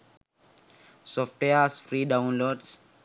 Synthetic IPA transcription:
sɔfʈweasfɾiːɖaʊ̃nloːɖs

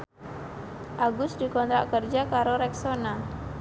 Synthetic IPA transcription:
ʔaɡʊsdikɔnt̪ɾaʔkərd͡ʒakaɾoɾɛksona

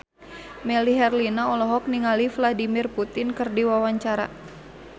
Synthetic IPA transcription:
mɛliɦɛrlinaɔlɔɦɔk̚niŋalifladimirput̪ɪnkərdiwawaɲt͡ʃaɾa̰

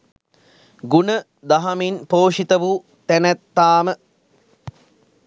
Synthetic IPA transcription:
ɡunə | d̪ɐɦɐminpoːʂit̪ɐʋu | t̪ænæt̪ːaːmə

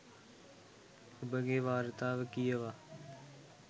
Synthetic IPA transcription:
əbəɡeːʋaːɾt̪aːʋekiːəʋaː

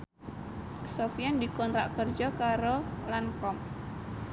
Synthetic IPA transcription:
sofijand̪ikɔnt̪ɾa̰ʔkərd͡ʒɔkaɾolankɔm

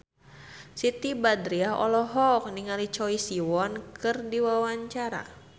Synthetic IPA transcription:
sit̪ibadɾiaɦɔ̰lɔɦɔk̚niŋalit͡ʃɔisiwɔnkɨrdiwawaɲt͡ʃaɾa̰

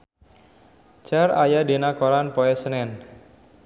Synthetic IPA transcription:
t͡ʃara̰jadenakoɾanpɔɛsənɛn

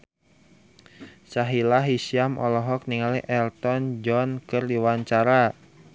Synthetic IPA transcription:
saɦilaɦisiamʔɔlɔɦɔk̚niŋaliʔɛlt̪ɔnd͡ʒɔnkɨrdiwaɲt͡ʃaɾa

